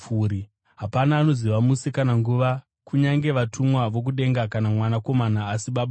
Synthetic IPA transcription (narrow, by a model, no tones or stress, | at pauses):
uɾi | ɦapanaːno̞ziʋamusikanaŋɡuʋa | kuɲaŋɡe̞ʋatʰumwaʋo̞k̬uɗe̞ŋɡakanamwanako̞manaːsiɓaɓa